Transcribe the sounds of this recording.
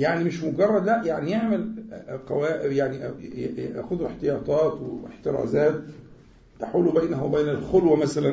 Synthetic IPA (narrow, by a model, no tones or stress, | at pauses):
jaʕnimɪʃmoɡɑrˤːɑd̪læʔjaʕnijeʕmelqɑwæːʔjaʕniʔʔæ̰ːxʊðeħt̪ejɑːt̪ˤɑːt̪weeħt̪ɪɾɑ̰ːzæːt̪ː | aħuːlubæːnhæwebæːnælxolwæmæsælæn